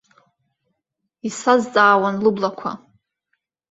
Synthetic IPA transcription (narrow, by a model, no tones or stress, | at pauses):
isazt͡sʼaːwanlublakʷʰa̰